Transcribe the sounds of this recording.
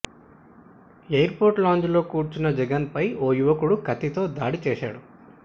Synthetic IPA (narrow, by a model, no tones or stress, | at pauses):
ejɐɾpo̞ːɾʈlaːɲd͡ʒlo̞ːkuːɾt͡ʃunːɐd͡ʒɛɡɐnpɐjoːjuʋɐkuɽukɐt̪it̪o̞ːd̪aːɽit͡ʃɛːʃa̰ːɽu